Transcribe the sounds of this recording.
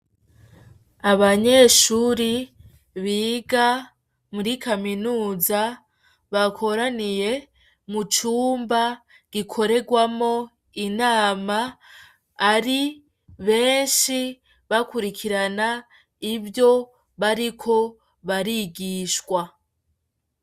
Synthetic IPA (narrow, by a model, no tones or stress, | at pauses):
aβaɲe̞ːʃuːɾi | βiːɡa | muɾikaminuːza | βakʰo̞ɾanije̞ | mut͡ʃuːmba | ɡ̥ikʰo̞ɾe̞ɡwamo̞ | inaːmaː | ɾi | βe̞ːnʃi | βakuɾikʰiɾana | iβjo̞ | βaɾikʰo̞ | βaɾiɡiːʃwa